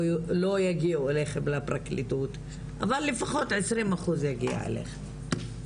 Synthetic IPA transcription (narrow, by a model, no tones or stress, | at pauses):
lo̞jaɡiueleχemlapʁaklitut | ʔavalːefaχo̞t̪ʕesʁimaχuzjaɡia̰ḛlḛχem